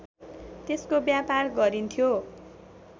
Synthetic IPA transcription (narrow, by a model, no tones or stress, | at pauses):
t̪eskobjaparɡʌɾint̪ʰjo